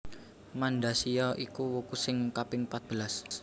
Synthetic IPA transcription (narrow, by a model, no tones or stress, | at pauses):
manɖasijɔʔikuwukusɪŋkapɪŋpat̪̚b̥əlas